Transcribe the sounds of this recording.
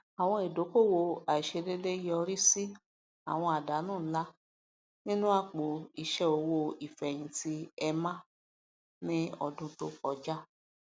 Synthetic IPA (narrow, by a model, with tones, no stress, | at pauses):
a˨w̃ɔ̃˧e˨do˨˦ko˦˨wo˧a˨i˨ʃe˧de˦de˦jɔ˧ɾi˦si˦ | a̰˨w̃ɔ̃˧a˨da˨˦nũ˦˨˦la˦ | nĩ˦nũ˦a˦˨k͡po˨i˨ʃɛ˧o˨wo˧i˨fɛ˨j̃ĩ˧ti˦ɛ˧mã˦ | nĩ˦ɔ˧dũ˧to˧ɔ˨˧d͡ʒa˦